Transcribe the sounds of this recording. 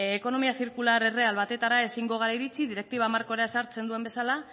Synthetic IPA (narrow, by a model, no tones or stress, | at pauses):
eko̞no̞miaθiɾkulaɾe̞re̞alβat̪e̞t̪aɾae̞siŋɡo̞ɣ̞aɾaiɾit͡siðiɾe̞k̚t̪iβaːmaɾko̞ɾeaesaɾt͡se̞nd̪ue̞mbe̞sala